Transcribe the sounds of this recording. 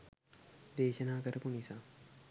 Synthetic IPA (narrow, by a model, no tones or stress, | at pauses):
d̪eːʃənaːkəɾəpunisa